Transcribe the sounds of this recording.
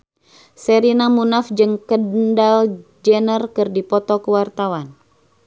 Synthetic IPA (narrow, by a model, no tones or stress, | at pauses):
səɾinamunafd͡ʒɨŋkəndald͡ʒɛnərkɨrdipɔt̪ɔkəwart̪awan